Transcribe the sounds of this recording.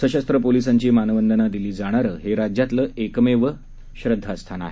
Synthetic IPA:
səɕast̪ɾəpolisaɲt͡ɕiːmanəʋənd̪ənad̪iliːd͡zaɽ̃aɾəːɦeɾad͡ʑjat̪ləːʔekmeʋə | ɕɾəd̪ʱːəəst̪ʰana̰ɦe

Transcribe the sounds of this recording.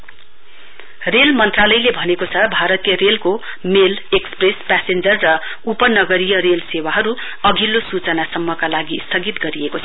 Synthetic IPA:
relmʌnt̪ralʌjlebʱʌnekot͡sʰʌbʱaɾʌt̪ijʌrelko | meleksprespasend͡zʌrːʌ | upʌnʌɡʌɾijʌɾelsewaɦʌɾu | ʌɡʱilosut͡sʌnasʌmːʌkalaɡist̪ʰʌɡit̪ɡʌɾiekot͡sʰʌ

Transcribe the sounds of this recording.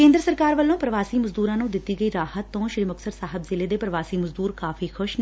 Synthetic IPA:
kẽːnd̪ɾəsəɾkaːɾʋəlːõːpɾəʋaːsiːməzd̪uːɾãːnũːd̪ɪt̪ːiːɡəiːɾaːhət̪ːõːʃɾiməksəɾsaːɦəbzɪleːd̪eːpɾəʋaːsiːməzd̪uːɾkaːfʰiːkʰʊʃn

